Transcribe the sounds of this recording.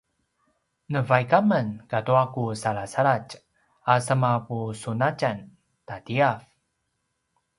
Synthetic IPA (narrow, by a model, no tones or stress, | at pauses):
nəvajkamənkatuakusaɭasaɭac | asəmapusunat͡ʃan | tatiaf